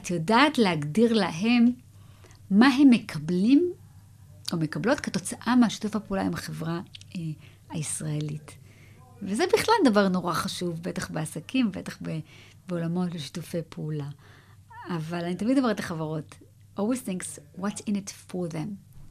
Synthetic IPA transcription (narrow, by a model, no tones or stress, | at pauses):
atjodaːtlehaɡdiʁlaɦe̞mː | aɦe̞mːekʰablim | ʔome̞kablo̞tketo̞t͡saʔameaʃi̥tufhapeulaimaχevʁae | aisʁaelit | vezebiχlaldɐvaʁno̞ʁaχaʃuvbetaχbeasakimbe̞̰taχbe | beolamo̞tleʃi̥tufe̞jpʰeulaː | valanitamidɡomeʁetleχavaʁo̞t | ʔolwizθĩŋkswɔtsinitfoðẽm